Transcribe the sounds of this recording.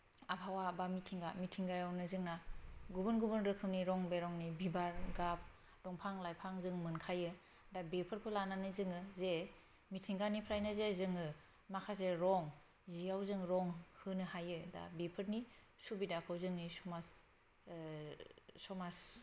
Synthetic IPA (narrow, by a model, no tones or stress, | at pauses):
apʰawabamitʰiŋɡamitʰiŋɡajawnɯzɯŋnaɡubɯnɡubɯnɾɯkʰːɯmniɾɔŋbeɾɔŋnibibaɾɡap̚ | d̥ɔŋpʰaŋlajpʰaŋzɯŋmɯnkʰajɯ | dabepʰɯɾpʰɯlananɯzɯŋɯze | mitʰiŋɡanipʰɾajnazezɯŋɯ | makʰazeɾɔŋ | zijawzɯŋɾɔŋhɯnɯhajɯda̰bepʰɯɾni | subidakʰɯwzɯŋnisɔmas | sɔmas